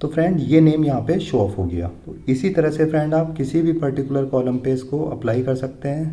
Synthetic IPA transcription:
t̪oːfɾɛ̃ɳɖjeneːmjɐɦãpeʃɔːfɦoɡɐja̰ːt̪oɪsit̪ɐɾəɦsefɾɛ̃ɳɖaːpkɪsibʱipɐɾʈɪkjʊləɾkɔːlə̃mpeːskoɐ̰plaːikɐɾsɐk̚t̪eɦɛ̃ː

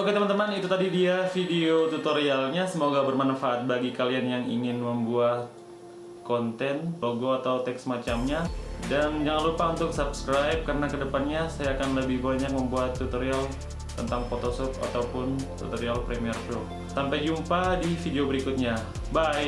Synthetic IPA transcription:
oket̪əmant̪əmanit̪ut̪adidiafideot̪ut̪oɾialɲasəmoɡabərmanafaʔat̪̚baɡikalianjaŋḭŋɪnməmbuat̪̚ | kɔnt̪ɛnloɡoat̪awt̪ɛksmat͡ʃamɲadand͡ʒaŋanlupaunt̪ʊksabskɾajp̚kaɾənakədəpanɲasajaːkanləbɪhbaɲak̚məmbuat̪ːut̪oɾial | t̪ənt̪aŋfot̪osɔpa̰t̪awpʊnt̪ṵt̪oɾialpɾemiərʃɔp̚ | sampajd͡ʒumpadifideobəɾikut̪̚ɲa | baɪ

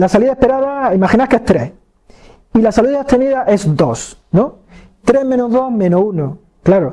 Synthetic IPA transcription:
lasaliðaehpe̞ɾaðaimaxinakeht̪ɾeh | ilasaliðeht̪eniðaʔe̞zd̪o̞snõ | t̪ɾemẽ̞noðo̞mẽnouno | klaɾo

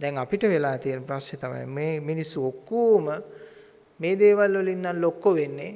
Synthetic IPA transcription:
d̪ɛŋapiʈəʋelaːt̪ienːəpɾasnet̪ama̰jmeːminisːuokːuːmə | meːd̪eːʋalʋolinːanlokːoʋenːe

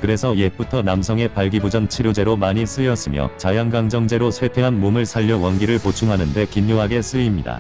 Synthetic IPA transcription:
kɯɾe̞sʰʌje̞p͈utʰʌnamsʰʌŋe̞paɭɡibud͡ʑʌnt͡ɕʰiɾjod͡ʑe̞ɾomaɲis͈ɯjʌs͈ɯmjʌ̰t͡ɕajaŋɡaŋd͡ʑʌŋd͡ʑe̞ɾosʰwe̞tʰeɦanmomɯɭsʰaʎːʌwʌnɡiɾɯɭpot͡ɕʰuŋɦanɯnde̞kimːoɦaɡe̞s͈ɯimɲida̰

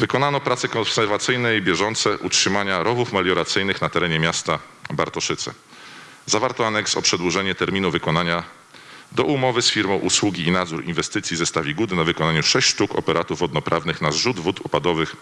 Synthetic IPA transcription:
vɘkɔnanɔpɾat̪sɛkɔ̃nsɛɾvat̪sɘjnɛjbʲjɛʐɔnt̪sɛʔutʂɘmaɲaɾɔvufmalʲjɔɾat̪sɘjnɘxnat̪ɛɾɛɲɛmʲjast̪a | baɾt̪ɔʂɘt̪sɛ̰ | zavaɾt̪ɔanɛksɔpʂɛd̪wuʐɛɲɛt̪ɛɾmʲinuvɘkɔnaɲa | d̪ɔʔumɔvɘsfʲiɾmɔ̃w̃ʔuswuɡʲiinad̪zuɾḭnvɛst̪ɘt̪sʲjizɛst̪avʲiɡud̪ɘnavɘkɔnaɲuʂɛɕt͡ɕʂt̪ukɔ̰pɛɾʔat̪uvːɔd̪nɔpɾʔavnɘxnazʐud̪vut̪upad̪ɔvɘx

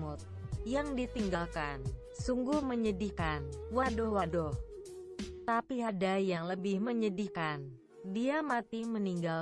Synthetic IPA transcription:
mʊt̪̚jaŋdit̪iŋɡalkan | suŋɡuhməɲədikanwadɔhwadɔh | t̪apiɦadajaŋləbɪhməɲədikan | diamat̪iməniŋɡal

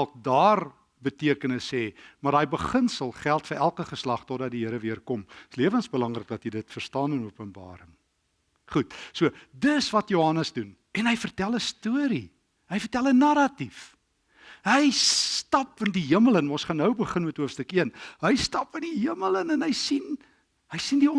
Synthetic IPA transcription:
lˠk̚dɑːr | bətiəkənəsːɛːmɐrɑːjbəχənsəlˠχælˠtfərʔælˠkəχəslɐχtodɐt̚diɦəɾəviərkɔmsliəvənsbəlɐŋrək̚dɐtɦidətfərstɑːnənuəpənbɑ̰ːɾəŋ | χut̚suədəsvɐtjoɦɐnəsdun | ɛnɦəjfərtælˠəstuəɾi | ɦəjfərtælˠənɐɾɐtif | ɦəjstɑpəndiɦiəmələnɔ̃nsχɑnːəwbəχənmɛtɦuəfstəkiənɦəjstɑpəndiɦiəmələnɛnɦəjsin | ɦəjsindiɔ

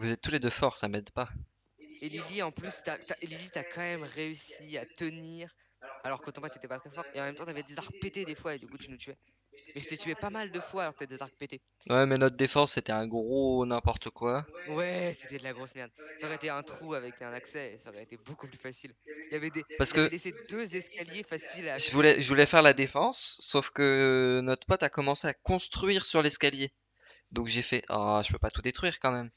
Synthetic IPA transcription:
vuzɛt̪ːuled̪øfɔʁsamɛd̪pa | eliliɑ̃plyst̪at̪aʔelilit̪akʰɑ̃mɛmʁeysiat̪əniʁ | alɔʁkot̪ɑ̃pat̪yet̪ɛpat̪χɛfɔʁeɑ̃mɛmt̪ɑ̃t̪yavɛd̪ezaʁpet̪ed̪efwaed̪ykut̪ynut̪yɛ | mɛʒət̪ət̪yɛpamald̪əfwaːlɔʁkət̪aved̪ezaʁpet̪e | wʔɛmɛnɔt̪χd̪efɑ̃sːet̪ɛɛ̃ɡʁonɛ̃pɔʁt̪əkwawɛse̥t̪ɛd̪əlaɡʁosmɛʁd̪sɔʁɛt̪eɛ̃t̪χuavɛkɛ̃naksɛsɔʁɛet̪ebokuplyfasiljavɛd̪epaʁsə̥kəlesed̪øzɛskʲaljefasilʒəvulɛʒəvulɛfɛʁlad̪efɑ̃sːofkənɔt̪χpɔt̪akɔmɑ̃seakɔ̃st̪χɥiʁsyʁlɛskʲalje | d̪ɔ̃kʒefɛʔa̰ʒ̥ə̥pøpat̪ud̪et̪χɥiʁkɑ̃mɛm

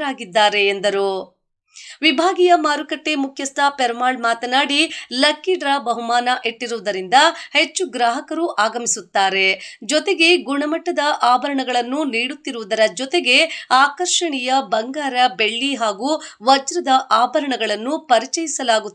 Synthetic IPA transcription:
aːɡid̪ːaːɾe̞ːnd̪ɐɾu | ʋibʱaːɡijɐmaːɾukɐʈːemukʰjɐst̪ʰɐpeɾmaːɭmaːt̪ɐnaːɽilɐkːiɖɾaːbɐɦumaːnɐʔe̞ʈːiɾuʋud̪ɐɾind̪ɐhe̞t͡ʃːuɡɾaːɦɐkɐɾuʔaːɡɐmisut̪ːaːɾe̞d͡ʒɔt̪e̞ɡe̞ɡuɳɐmɐʈːɐd̪ɐʔaːbʱɐɾɐɳɐɡɐɭɐnːuniːɽut̪ːiɾuʋud̪ɐɾɐd͡ʒɔt̪e̞ɡe̞aːkɐɾʂɐɳijɐbɐŋɡaːɾɐbe̞ɭːiɦaːɡuːʋɐd͡ʒɾɐd̪ɐʔaːbʱɐɾɐɳɐɡɐɭɐnːupɐɾit͡ʃɐjisɐlaːɡut̪ː

